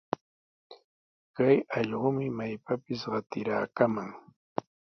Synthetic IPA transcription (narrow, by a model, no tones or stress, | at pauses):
kajɑʎɢʊmɪmajpapɪsɢɑt̪ɪɾaːkamaŋ